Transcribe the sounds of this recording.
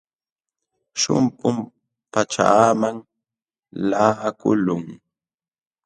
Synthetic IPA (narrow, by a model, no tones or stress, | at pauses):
ʃʊ̰mpʼʊm | pat͡ʃa̰maŋ | laːhakʊlʊŋ